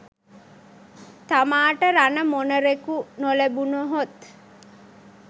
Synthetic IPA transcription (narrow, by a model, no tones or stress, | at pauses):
t̪amaːʈəɾanəmonəɾekunolebunoɦot̪